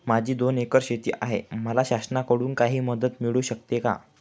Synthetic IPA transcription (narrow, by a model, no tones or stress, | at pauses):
mad͡ʑʱiːd̪onekəɾɕet̪ḭːʔaɦeməlaɕasənakəɽuːnkaɦiːməd̪ət̪miɭuːɕək̚t̪eka̰